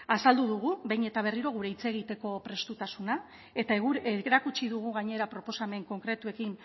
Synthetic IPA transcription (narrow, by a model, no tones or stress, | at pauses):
asald̪uðuɣ̞uβejne̞t̪aβ̞e̞riɾo̞ɣ̞uɾe̞it͡se̞ɣ̞it̪e̞ko̞pɾe̞st̪ut̪asuna | et̪aɣueɾakut͡ʃiðuɣ̞uɣaɲe̞ɾapɾo̞po̞same̞ŋko̞ŋkɾe̞t̪ue̞kin